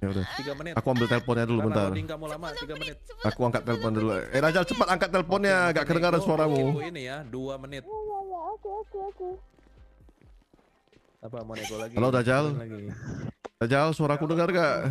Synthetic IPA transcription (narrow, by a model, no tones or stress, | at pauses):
audat̪iɡamənakuambɪlt̪eləpɔnɲadulubənt̪arŋkamulamat̪iɡamənɪt̪̚akuaŋkat̪̚ːeləp̬ɔndulṵedad͡ʒalt͡ʃəpat̪aŋkat̪ːeləpɔnɲaŋɡaʔkədəŋaɾansuaɾamuinijaduamənɪt̪ajajaakuakaku | apamnkolaɡkalodad͡ʒalɡ | dad͡ʒalsuaɾakudəŋərɡaʔ